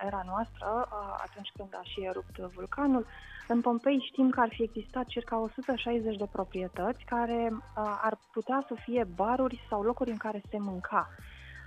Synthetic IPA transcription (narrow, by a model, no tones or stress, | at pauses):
eɾanoast̪ɾəa̰t̪unt͡ʃʲkɨnd̪aʃieɾup̚t̪vulkanul | ɨnpo̞mpe̞jʃt̪imkəarfie̞ɡzist̪at̪̚t͡ʃirkao̞sut̪əʃajze̞t͡ʃʲd̪e̞pɾo̞pɾie̞t̪ət̪sʲkaɾe̞a̰rput̪easəfie̞baɾurʲsawlo̞kuɾʲɨŋkaɾe̞se̞mɨŋkʰa